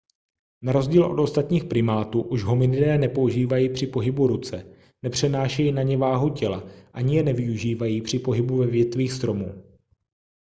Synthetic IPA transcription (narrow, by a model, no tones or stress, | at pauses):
naɾo̞zɟiːlʔo̞̰do̞st̪at̪ɲiːxpɾɪmaːt̪uːʔuʒɦomɪnɪdɛːnɛpo̞uʒiːvajiːpr̝̥ɪpo̞ɦɪbuɾut͡sɛ | nɛpr̝̥ɛnaːʃɛjinaɲɛvaːɦucɛlaʔaɲɪjɛnɛvɪuʒiːvajiːpr̥ɪpo̞ɦɪbuvɛvjɛt̪viːxst̪ɾo̞muː